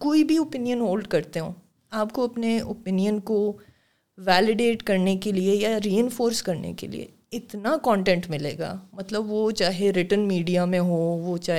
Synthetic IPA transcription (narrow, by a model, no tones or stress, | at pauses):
koːibʱiopɪnijənɦoːlɖkɐɾt̪eɦõː | aːpkoɐpneopɪnijənko | ʋɛːlɪɖeːʈkɐɾnekeliejaɾiːɛ̃nfoːɾskɐɾnḛkḛlḭḛ | ɪt̪nakɔ̃ːɳʈɛ̃ɳʈmɪlḛːɡa̰ːmɐt̪ləbʋot͡ʃaːɦeɾɪʈənmiːɖijamẽɦoʋot͡ʃaːɦ